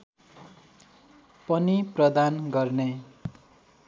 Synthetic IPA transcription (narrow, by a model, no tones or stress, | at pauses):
pʌniprʌd̪anɡʌrne